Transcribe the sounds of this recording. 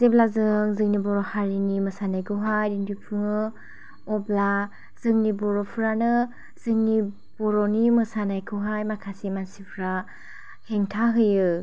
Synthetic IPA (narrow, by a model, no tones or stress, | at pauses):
zeblazɯŋzɯŋnibɔɾɔhaɾinimɯsanajkʰɯɦajdindipʰɯŋɯ | ɔbla | z̥ɯŋnibɔɾɔpʰuɾanɯ | z̥ɯŋni | b̥ɔɾɔnimɯsanajkʰɯɦajmakʰasimansipʰɾa | heŋtʰaɦɯjɯ